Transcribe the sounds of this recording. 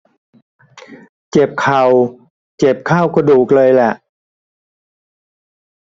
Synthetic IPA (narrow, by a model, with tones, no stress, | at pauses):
t͡ɕe˨˩p̚kʰa˨˩w | t͡ɕe˨˩p̚kʰaː˥˩wkʰa˧duː˨˩k̚lɤː˧jlɛ˨˩ʔ